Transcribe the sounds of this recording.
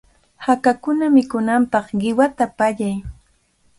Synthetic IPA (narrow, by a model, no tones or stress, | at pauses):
hakakʊnamɪkʊnampɑχɢɪwat̪apaʎaj